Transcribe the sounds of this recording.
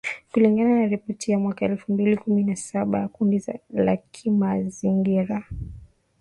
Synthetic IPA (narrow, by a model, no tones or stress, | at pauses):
kuliŋɡananaɾipɔtʰijamwakaɛlfumbilikuminasaɓajakundizala̰kʰimaziŋɡiɾa